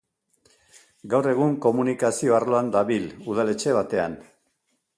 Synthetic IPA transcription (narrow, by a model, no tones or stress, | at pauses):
ɡawre̞ɣ̞uŋko̞munikasio̞arloand̪aβiluð̞ale̞t͡ʃe̞β̞at̪e̞a̰n